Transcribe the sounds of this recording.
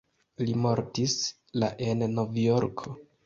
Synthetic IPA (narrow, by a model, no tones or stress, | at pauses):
limo̞ɾtis | laʔe̞nːo̞vjo̞ɾkʰo̞